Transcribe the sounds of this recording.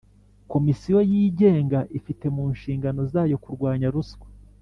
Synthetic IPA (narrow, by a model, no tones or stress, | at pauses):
ko̞misijo̞jiːɟe̞ːŋɡaʔifite̞muːnʃiːŋɡano̞zaːjo̞kuɾɡwaːɲaɾuskwe̥